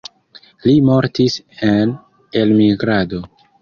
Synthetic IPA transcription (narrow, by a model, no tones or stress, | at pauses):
limo̞ɾtis | en | e̞lmiɡɾado̞